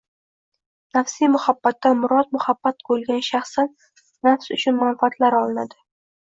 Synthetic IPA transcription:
nafsimʊhabːat̪ːanmʊɾɒt̪mʊhabːat̪̚bolɡʲanʃaχsanː | afsʊt͡ʃʰʊnmanfat̪ʰlaɾɒlˠɪnad̪ɪ

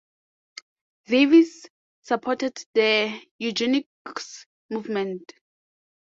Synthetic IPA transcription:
vevisː | apʰɔtɛddəjud͡ʒiniks | muvmɛ̃nt

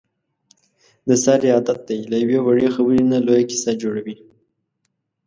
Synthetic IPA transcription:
d̪əsɑɾːijɑd̪at̪̚d̪ajlajawewaɻexabəɾinalojakɪ̥sad͡ʒoɽawi

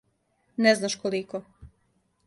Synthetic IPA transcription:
nɛznaʃkoliko

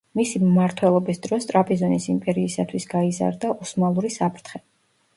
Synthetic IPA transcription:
misimmaɾt̪ʰwɛlˠɔbisd̪̥ɾɔst̪ʼɾapʼizɔnisimpʼɛɾiːsat̪ʰwisɡ̥aiza̰ɾd̪aʔɔsmalˠuɾisapʰɾt̪ʰχɛ

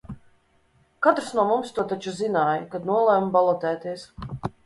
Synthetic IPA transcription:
kat̪ɾsnuɔmumst̪uɔt̪at͡ʃuzinaːjkad̪nuɔlˠɛːmbalˠɔt̪ɛːt̪iɛs

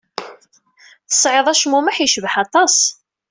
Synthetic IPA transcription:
θə̥sˤʕeðˤæʃmumæħiʃəvəħɑt̪ˤɑsˤ

